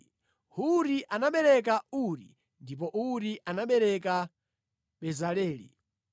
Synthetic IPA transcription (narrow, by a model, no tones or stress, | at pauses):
huɾiʔanaɓɛɾɛk̬auɾḭ | ndip̬ɔʔuɾiʔanaɓɛɾɛka | ɓɛzalɛːlḭ